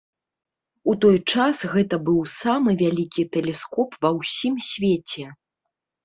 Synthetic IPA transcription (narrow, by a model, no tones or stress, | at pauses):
ut̪ɔjt͡ʂasɣɛt̪ɐbɨwsamɨvʲalʲikʲit̪ɛlʲɛskɔpvɐwsʲimsʲvʲet͡sʲɛ